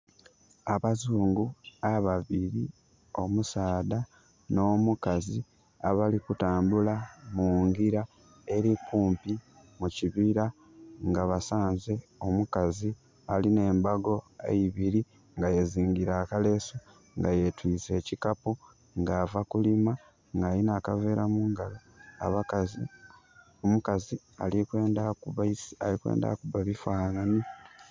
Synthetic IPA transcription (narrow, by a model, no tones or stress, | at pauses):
aβazuːŋɡuaβaβiɾi | o̞musaːd̪a | no̞ːmukazi | aβalikutaːmbulamuŋɡiɾa | e̞ɾikuːmpi | muciβiɾa | ŋɡaβasaːnze̞o̞mukazi | aline̞ːmbaɡo̞ḛiβiɾi | ŋɡajeziːŋɡiɾaːkale̞ːso | ŋɡaje̞twiːt͡se̞ːcikapu | ŋɡaːvakulima | ŋɡaːlinaːkave̞ːɾamuːŋɡalo | a̰βakazi | omukazi | a̰likwe̞ːndakuβaisalikwḛːnda̰kuβaβifwaːnani